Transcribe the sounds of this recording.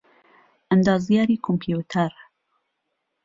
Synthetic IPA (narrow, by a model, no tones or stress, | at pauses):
ʔənd̪ɑːzjaːɾiːkʰompʰijut̪ʰaɾ